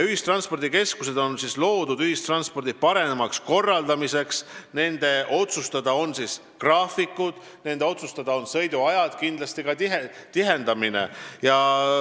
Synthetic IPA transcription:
yɦist̪rɑnspo̞rd̪̥ike̞skuse̞d̪̥o̞nsislo̞ːd̪̥ud̪̥yhist̪rɑnspo̞rd̪̥ipɑɾe̞nemɑksko̞rːɑld̪̥ɑmise̞ksne̞nd̪̥e̞ʔo̞t̪sust̪ɑd̪̥ɑo̞nsis | krɑːfikːˑud̪̥ | ne̞nd̪e̞o̞t̪sust̪ɑd̪̥ɑo̞nsɤ̞jd̪̥uɑjɑd̪̥kind̪̥lɑst̪ikɑiɦet̪iɦe̞nd̪ɑmine̞̰jɑ

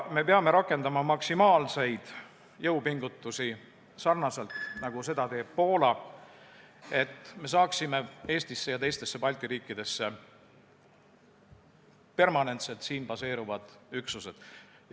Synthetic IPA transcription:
me̞peɑme̞ɾɑkːˑe̞nd̪ɑmɑmɑksimɑːlse̞jd̪̥ | jɤwpiŋɡut̪ːˑusi | sɑrnɑselt̪nɑɡ̥use̞d̪̥ɑt̪e̞ːb̥̚po̞ːlɑ | e̞t̪ːme̞s̬ɑːksime̞e̞ːst̪isːe̞jɑt̪ejst̪e̞sːe̞pɑlʲt̪ˑiɾiːkːˑid̪̥e̞sːe̞ | pe̞rmɑne̞nt̪se̞lt̪siːnpɑse̞ːɾuvɑd̪̥yksuse̞d̪̥

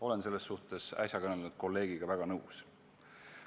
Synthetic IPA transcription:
o̞le̞nse̞lːesːuht̪e̞sæ̰sʲjɑkɤnelud̪̥̚ko̞lːe̞ːɡ̥iɡ̥ɑvæɡ̥ɑnɤws

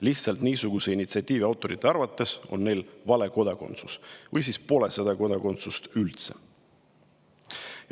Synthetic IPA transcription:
liht̪sɑlt̪niːsuɡ̥use̞init̪siɑt̪ʲːˑiːviɑwt̪ːˑo̞ɾit̪ˑːeɑɾvɑt̪ːˑe̞so̞̰nːe̞jlvɑle̞ko̞d̪ɑko̞̰nt̪susvɤjsiːspo̞lesed̪̥ɑko̞d̪ɑko̞nt̪sust̪ylt̪se̞̥̰

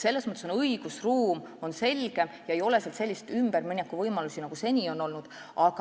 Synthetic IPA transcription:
se̞lːesmɤt̪ːˑesonɤjɡ̥usruːm | o̞nse̞lɡ̥e̞mjɑe̞jo̞le̞selt̪se̞lʲːist̪ymb̥ermɤnʲɑkːˑuvɤjmɑlusinɑɡ̥use̞nʲio̞no̞lnud̪̥ | ʔɑɡ̥ɑ

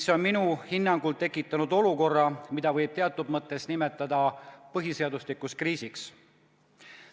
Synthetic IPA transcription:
so̞nminuhinːɑŋɡ̥ult̪e̞kːˑit̪ːˑɑnud̪̥o̞luko̞rːɑmid̪ɑvɤjb̥̚t̪e̞ɑt̪ːˑud̪mɤt̪ˑːe̞snimet̪ːˑɑd̪̥ɑpɤɦiseɑd̪uslikːˑuskriːsiks

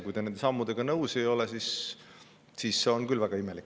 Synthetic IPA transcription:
kujd̪ene̞nd̪e̞sɑmːud̪̥e̞ɡ̥ɑnɤwse̞jo̞lɛsis | siːsːe̞o̞nkylvæɡ̥ɑime̞likːˑ

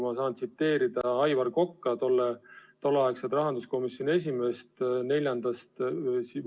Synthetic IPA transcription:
mɑsɑːnt̪sit̪ːe̞ːɾid̪̥ɑɑjvɑrko̞kːɑt̪o̞lːet̪o̞lːeɑekset̪rɑɦɑnd̪usko̞misjo̞nʲie̞s̬ʲimeːst̪ne̞lʲjɑnd̪̥ɑst̪si

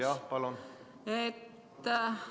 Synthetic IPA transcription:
ɑpɑlon | et̪ː

